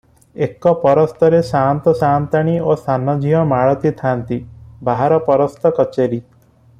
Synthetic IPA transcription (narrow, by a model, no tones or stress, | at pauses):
ekɔpɔɾɔst̪ɔɾesant̪ɔsant̪aɽ̃iost̪ʰanɔd͡ʒiɦɔmaɭɔt̪it̪ʰant̪ibʱaɦaɾɔpɔɾɔst̪ɔkɔt͡ʃeɾi